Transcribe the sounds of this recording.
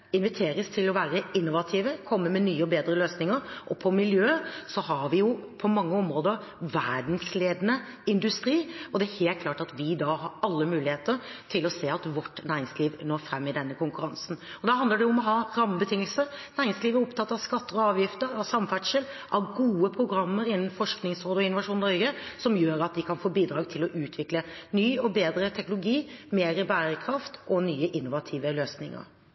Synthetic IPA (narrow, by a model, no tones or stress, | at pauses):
ɪnʋɪt̪ʰeːɾəst̪ʰɪlɔʋæːɾəɪnːʊʋɑt̪ʰiːʋəkʰɔmːəmɛnyːəɔbeːd̪ɾəløːsnɪŋəɾʔɔpʰɔmɪljøːsɔhɑɾʋɪjʊpʰɔmɑŋːəɔmɾoːd̪ə | ʋæɖn̩sleːd̪ənə | ɪnd̪ʉst̪ɾiːɔd̪ɛæɾheːlt̪̚kʰlɑːʈɑt̪ʋɪd̪ɑːhɑɾɑlːəmʉːlɪheːt̪əɾʈ̪ʰɪlɔseːɑt̪ʋɔʈːnæːɾɪŋsliːʋnoːɾfɾɛmːɪd̪ɛnːəkʊŋkʉɾɑnsn̩ɔd̪ɑɦɑnd̪ləɖɛʊʊmɔɦɑːɾɑməbət̪ʰɪŋːəlsəɾnæːɾɪŋsliːʋæɾɔpt̪ʰɑt̪ːɑʋskɑt̪ːəɔɑːʋjɪft̪əɾɑʋsɑmfæʈʂəlʔɑʋɡuːəpʰɾʊɡɾɑmːəɾɪnːn̩fɔʂknɪŋsɾoːd̪əɔɪnʊʋɑʂuːnnɔɾɡəsɔmjøːɾɑt̪̚d̪ɪkʰɑnfoːbiːd̪ɾɑːɡt̪ʰɪlɔʔʉːt̪ʰʋɪklənyːɔbeːd̪ɾət̪ʰɛknʊlʊɡiːmeːɾəbæːɾəkʰɾɑft̪ɔnyːəʔɪnːʊʋɑt̪ʰiːʋəløːsnɪ̰ŋə̰ɾ